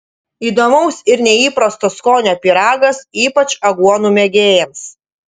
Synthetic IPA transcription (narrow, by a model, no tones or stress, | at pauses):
iːd̪oːmɐʊsɪɾnʲɛiːpɾɐst̪ɐskoːnʲoːpʲiɾɑːɡɐsiːpɐt͡ʃɐɡuɔnuːmʲɛɡʲeːjɛms